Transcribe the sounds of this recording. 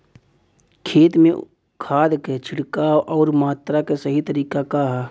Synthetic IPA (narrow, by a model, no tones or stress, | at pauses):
kʰeːt̪mẽ | kʰaːd̪ket͡ʃʰɪɽkaːwʔɔːɾmaːt̪ɾakesəɦit̪əɾiːkakaɦ